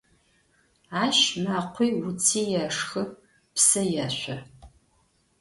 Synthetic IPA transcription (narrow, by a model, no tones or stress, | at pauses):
aːʃmaqʷʰiːwʊt͡sʰiːjaʂxɨ | psɐjaːɕʷɐ